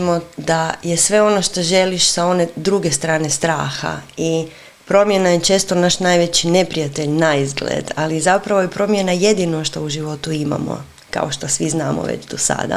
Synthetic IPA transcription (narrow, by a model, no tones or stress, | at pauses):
mo̞d̪aje̞sʋe̞o̞no̞ʃt̪oʒe̞liʃsao̞ne̞d̪ɾuɡe̞st̪ɾaːne̞st̪ɾaːxa̰i | pɾo̞mje̞najet͡ʃe̞ːst̪o̞naʃnajʋe̞t͡ɕine̞pɾijat̪e̞ʎnaizɡlḛd̪alizapɾaʋo̞jepɾo̞mje̞naje̞d̪inoʃt̪ouʒiʋo̞t̪uima̰mo̰ | ka̰o̞ʃt̪osʋiznaːmo̰ʋḛt͡ʃd̪osa̰d̪a̰